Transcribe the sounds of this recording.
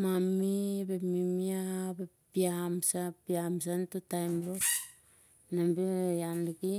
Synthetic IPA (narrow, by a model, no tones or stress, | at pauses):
mamibemimiabe | piamsapiams̬antutajmlok | nambejanliki